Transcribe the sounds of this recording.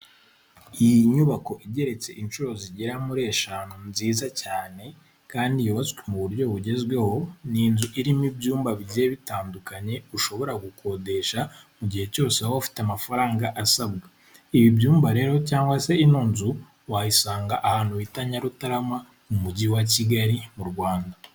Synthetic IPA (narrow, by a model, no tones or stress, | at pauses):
ijiɲuβako̞ʔiɟe̞ɾe̞t͡se̞ʔinʃuɾo̞ziɟiɾamuɾe̞ːʃanonziːzacaːne̞ | kaːndijoβaskwemuβuɾjo̞βuɟe̞zɡwe̞ho̞niːnzuʔiɾimibjuːmbaβizeβitaːndukaɲe̞uʃo̞βo̞ɾaɡukʰo̞de̞ʃamuɟihe̞co̞ːsehoafi̥teamafaɾaːŋɡaʔasabɡa | iβibjuːmbaɾe̞ːɾocaːŋɡwase̞inuːnzu | wajisaːŋɡaʔahaːn̥huwitaɲaɾutaɾama | mumuɟiwaciɡaɾimuɾɡwaːnda